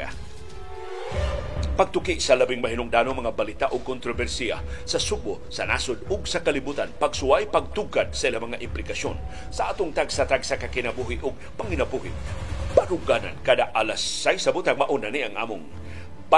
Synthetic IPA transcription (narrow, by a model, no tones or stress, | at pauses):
a̰ | pɐɡ̚t̪ʊkɪʔsɐlabɪŋmɐɦinʊŋd̪aːnoŋmɐŋabɐlit̪aʔoɡ̚kʊnt̪ɾovɛɾsia̰sɐsubosɐna̰sʊd̪̚ʊɡ̚sɐkɐlɪbuːt̪anpɐɡsʊajpɐɡ̚t̪uɡad̪̚sɐʔilamɐŋaʔɪmplɪkaʃo̰n | sɐʔaːt̪ʊŋt̪aɡsat̪aɡsakakɪnɐbuɦɪʔʊɡ̚pɐŋɪnɐbuhɪ̰baɾʊɡana̰nkad̪aʔalasːajsɐbʊt̪aŋmaʔʊnaniʔɐŋʔa̰ːmʊŋ | pa